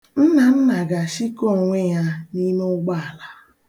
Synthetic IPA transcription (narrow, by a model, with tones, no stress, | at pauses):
m̩˦na˨m̩˦na˨ɡa˨ʃi˦ko˦˨ŋʷe˦ja˦ni˦me˦ʊ˦ɡ͡ba˦a˨la˦